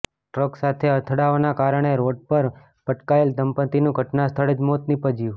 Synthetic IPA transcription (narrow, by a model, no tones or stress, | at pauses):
ʈɾəksat̪ʰeət̪ʰəɽaʋanakaɾəɳ̃eɾoɖ̚pəɾ | pəʈkaeld̪ʱəmpət̪inũɡʱəʈnast̪ʰəɭed͡ʒmot̪nipəd͡ʒiʋ